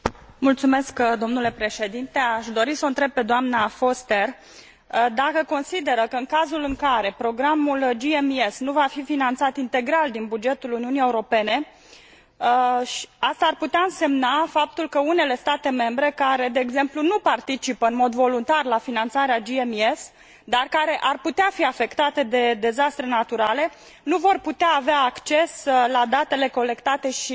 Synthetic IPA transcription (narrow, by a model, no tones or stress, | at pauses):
mult̪sume̞skd̪o̞mnule̞pɾe̞ʃe̞d̪int̪e̞aʃd̪o̞ɾisəɨnt̪ɾe̞b̚pːe̞d̪oamnafo̞st̪e̞r | d̪akəko̞nsid̪e̞ɾəkəɨŋkazulɨŋkaɾe̞pɾo̞ɡɾamuld͡ʒiemiesnuvafifinant̪sat̪int̪e̞ɡɾald̪inbud͡ʒe̞t̪uluniunie̞uɾo̞pe̞ne̞ | ʃast̪aːrput̪eaɨnse̞mnafap̚t̪ulkəune̞le̞st̪at̪e̞me̞mbɾe̞kaɾe̞d̪e̞ːɡze̞mplunupart̪it͡ʃipəɨnmo̞d̪vo̞lunt̪arlafinant̪saɾead͡ʒiemies | d̪arkaɾe̞ʔarput̪eafiafe̞kt̪at̪e̞d̪e̞d̪e̞zast̪ɾe̞nat̪uɾale̞ | nuvo̞rput̪eaːveaːkt͡ʃe̞slad̪at̪e̞le̞ko̞le̞kt̪at̪e̞ʃi